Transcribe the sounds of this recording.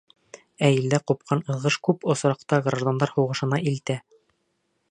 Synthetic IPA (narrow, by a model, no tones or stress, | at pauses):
æjild̪æqup̚qʰɑnɤ̆ðˠʁɤʃkʉpŏsɾɑq̚t̪ɑɡraʒd̪o̞nd̪ɑɾhuʁɤ̆ʃɤ̆nɑʔilt̪æ